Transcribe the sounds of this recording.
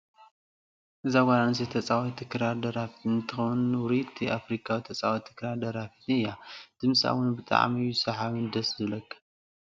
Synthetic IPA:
ʔɨzaɡananɨs̬et̪ʰɐt͡sʼawɔt̪ʰɨkɾaɾd̪ɐɾafit̪ɨnt̪ʰɨxɐwnwɾit̪ʰiafɾikʰawit̪ʰɐt͡sʼawɔt̪ʰɨ̥kɾaɾd̪ɐɾafi̥t̪ʰɨjad̪̥ɨmsʼa̰wʊnbɨt̪ʼa̰ʕmijːusɐħaβɨnd̪ɐszɨlɐkː

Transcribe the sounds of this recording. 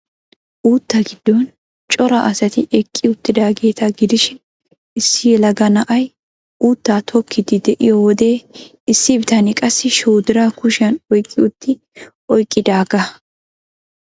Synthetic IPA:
ʔuːt̪ːɐɡɪd̪̥ːɔn | t͡ʃʼɔɾɐʔɐsɐt̪ɪʔɛkʼːɪʊt̪ːɪd̪aːɡe̞ːt̪ʰɐɡɪd̪ɪʃɪn | ɪsːɪjɛlɐɡɐnɐʔɐj | uːt̪ːaːt̪ʰɔkʰːɪd̪ɪd̪ɛʔɪjɔwɔd̪e̞ː | ɪsːɪbɪt̪ɐnɪkʼɐsːɪʃoːd̪ɪɾakʊʃɐnɔjkʼːɪʊt̪ːɪ | ʔɔjkʼːɪd̪aːɡɐ

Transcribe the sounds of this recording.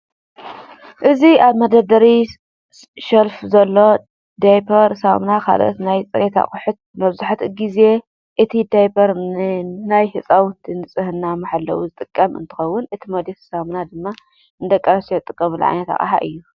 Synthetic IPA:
ʔɨziaβmɐd̪ɐd̪ɐɾi | ʃɐlfzɐlːo̞ | d̪ajpʰɐɾsamnakʰa̰lʔo̰t̪najt͡sʼɨɾet̪ʰa̰kʼʊħʊt̪̚mɐβzaħat̪ɡize̞ | ʔɨt̪ʰid̪ajpʰɐɾ | najhɨt͡sʼawt̪ʰɨnɨt͡sʼɨhɨnːamaħalːɐ̰wuzɨt̪ʼɨkʼːɐmɨ̰nt̪ʰɨ̥xɐwːʊnɨt̪ʰimɐd̪et̪samnad̪ɨmːa | ɨnd̪ɐkʼːɐɾɐset̪ʼɨkʼːɐmɨlʕa̰jnɐt̪a̰χʼɐ̰ħa̰ʔɨjːu

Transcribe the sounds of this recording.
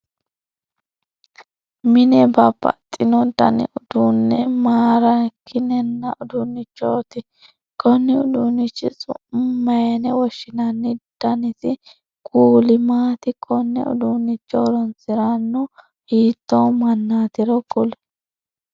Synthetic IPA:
mɪnɛbɐbɐ̰t̪ʼːɪnɔd̪ɐ̰nɪ̰ʔʊd̪̥unːɛmaːɾɐkʰːɪnɛnːɐʔʊd̪unːɪt͡ʃːoːt̪ɪ | kʼɔnːɪʊd̪unːɪt͡ʃːɪt͡sʼʊ̰ʔʊmmːɐjɐnɛwɔʃːɪnɐnːɪd̪̥ɐnɪsɪ | kʼuːlɪmaːt̪ɪkʼɔnːɛ̰ʊ̰d̪unːɪt͡ʃːɔːɾɔnt͡sɪɾanːɔ | hiːt̪ːowmɐnːaːt̪ɪɾɔɡʊl

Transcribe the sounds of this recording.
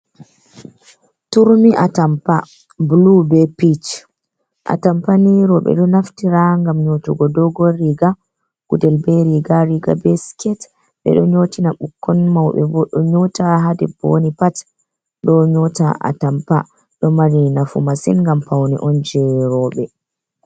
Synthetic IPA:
tuɾmiʔatampa | blubɛpit͡ʃ | ʔa̰tampaniɾɔɓɛ̰ɗɔnaftiɾaŋɡamɲotuɡɔdɔɡɔɾiɡa | ɡ̥udɛlbɛɾiɡaɾiɡa̰bɛskɛt | ɓɛ̰ɗɔɲotinaɓukːɔnmawɓɛ̰vɔɗɔɲɔtaɦadɛbo̰nipat | ɗɔɲɔta̰ʔa̰tampa̰ | ɗɔmaɾinafṵmasḭnŋɡampawnḭʔɔnd͡ʒɛɾɔɓɛ

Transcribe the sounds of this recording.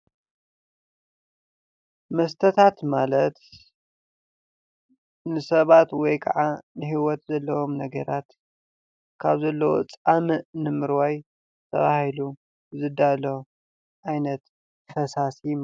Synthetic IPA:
mɐst̪ʰɐt̪ʰat̪malɐt̪ | nɨsɐβat̪wɔjkʰɐ̰ʕanɨhiwɔt̪zɐlːɐwomnɐɡɐ̰ɾat̪ | kʰaβzɐlːɐwo̰t͡sʼamɨʔnɨmɨɾwaj | t̪ʰɐ̰βahilu | bɨzɨd̪alo | ʔajnɐt̪ | fɐsasi

